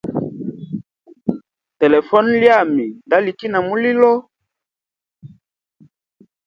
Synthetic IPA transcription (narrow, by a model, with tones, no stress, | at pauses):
te˨lɛ˨fɔ˦nlja˦˨mi˨nda˦li˨ki˦na˨mu˦li˦lɔ˦